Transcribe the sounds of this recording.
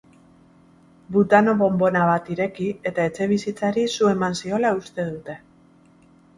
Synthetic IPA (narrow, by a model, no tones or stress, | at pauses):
but̪ano̞βo̞mbo̞naβ̞at̪iɾe̞kie̞t̪ae̞t͡se̞β̞isit͡saɾisue̞mansio̞laust̪e̞ðut̪e̞